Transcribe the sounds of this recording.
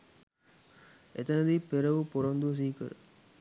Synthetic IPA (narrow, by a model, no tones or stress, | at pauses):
et̪ɐnɐd̪iːpeɾɐʋupoɾɐnd̪us̬iːkɐɾɨ̰